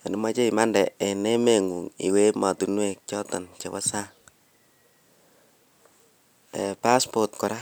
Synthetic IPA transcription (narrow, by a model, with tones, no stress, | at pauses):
a˨nu˦ma˦t͡ʃe˦i˨ma˦ndɛ˨ɛ˨ne˦me˨ŋu˨ŋḭ˨we˦ma˨tunwe˦˨k̚t͡ʃɔ˦tɔ˨nt͡ʃe˨wa˦sa˦ŋ | ɛ̰˨pa˦spɔt̚kɔ˨ɾa˦